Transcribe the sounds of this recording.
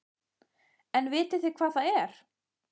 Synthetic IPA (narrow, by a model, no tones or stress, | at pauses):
ɛnvɪːt̪ɪθɪkʰvaːðθaðɛɾ̥